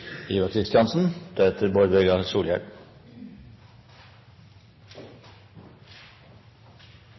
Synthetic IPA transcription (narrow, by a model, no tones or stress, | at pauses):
iːʋɑkʰɾɪst̪jɑnsn̩d̪̥eɛt̪ʰəɾboɾbɛɡɑsuːljæ̰ɖ